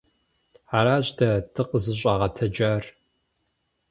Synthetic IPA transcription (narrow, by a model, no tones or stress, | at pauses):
aɾaːɕtʰɐtʰɨqəzɨɕ̬ʷʼaʁɐtʰɐd͡ʒaːr